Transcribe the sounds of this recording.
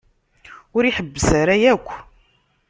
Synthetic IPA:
ʊɾiħəbːəsaɾajækʷː

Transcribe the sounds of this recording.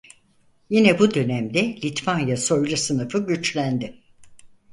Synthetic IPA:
jinɛbud̪ø̞næmd̪ɛlʲit̪vanjaso̞jlˠasɯnɯfɯɟyt͡ʃlʲænd̪ɪ

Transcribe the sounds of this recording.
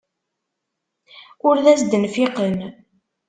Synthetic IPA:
ʊɾðæsd̪ənfiqən

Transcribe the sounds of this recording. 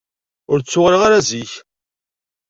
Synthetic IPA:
ʊɾt͡sːʊʁɾiʁaɾæziç

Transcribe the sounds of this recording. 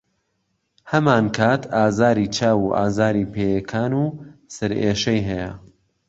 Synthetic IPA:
hɐmaːnkʰaːt̪ʰaːzaːɾiːt͡ʃʰaːwuːʔa̰ːzaːɾiːpʰeːjɐkʰaːnusɨɾeːʃɐjɦɛjɐ

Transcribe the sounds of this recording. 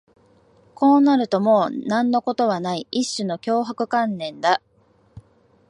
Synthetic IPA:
ko̞ːnaɾɯ̟t̪o̞mo̞ːnãnːo̞ko̞t̪o̞βanaiiɕːɨno̞kʲo̞ːɦakɯ̟kãnːẽ̞nd̪a

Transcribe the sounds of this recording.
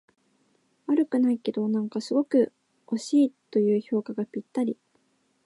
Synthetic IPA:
aɾɯ̟kɯ̟naike̞d̪o̞nãŋkasɨɡo̞kɯ̟ | o̞ɕiːt̪o̞jɯ̟ːço̞ːkaɡapʲit̪ːaɾʲi

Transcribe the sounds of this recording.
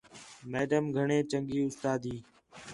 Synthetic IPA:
meːɖəmɡʱəɳẽːt͡ʃəŋɡiːʊst̪aːd̪iː

